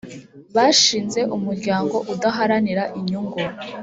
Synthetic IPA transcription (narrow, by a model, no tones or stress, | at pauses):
βaːʃiːnze̞ʔumuɾɟaːŋɡo̞ʔudaɦaɾaniɾaʔiɲuŋɡuɾ